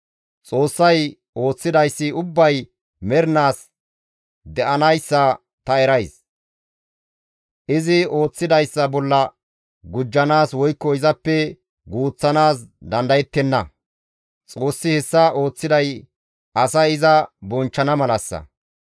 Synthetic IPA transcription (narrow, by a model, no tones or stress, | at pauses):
t͡sʼo̞ːsːɐj | ʔo̞ːt͡sːɪd̪ɐjsːɪʊbːɐj | mɛɾnaːs | d̪ɛʔɐnɐjsːɐ | t̪ɐɛɾɐjs | ʔɪzɪo̞ːt͡sːɪd̪ɐjsːɐbɔlːɐ | ɡʊd͡ʒːɐnaːswɔjkːɔɪzɐpːɛ | ɡuːt͡sːɐnaːsd̪ɐnd̪ɐjɛt̪ːɛnːɐ | t͡sʼo̞ːsːɪhɛsːɐʔo̞ːt͡sːɪd̪ɐj | ɐsɐjɪzɐbɔnt͡ʃːɐnɐmɐlɐsːɐ̰